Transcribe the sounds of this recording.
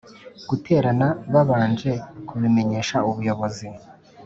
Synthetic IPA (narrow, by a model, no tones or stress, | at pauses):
ɡ̥utʰe̞ːɾanaβaβaːnd͡ʒe̞kʰuβime̞ɲe̞ːʃauβujoβo̞zi